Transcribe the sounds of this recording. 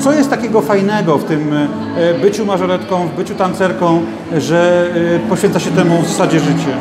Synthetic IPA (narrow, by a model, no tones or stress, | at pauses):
t̪sɔjɛst̪t̪ːakʲɛɡɔfajnɛɡɔft̪ɘm | bɘt͡ɕumaʐɔɾɛt̪kɔ̃w̃vbɘt͡ɕut̪ant̪sɛɾkɔ̃w̃ | ʐɛpɔɕʲfʲɛnt̪aɕɛt̪ɛmuvzasad͡ʑɛʐɘt͡ɕɛ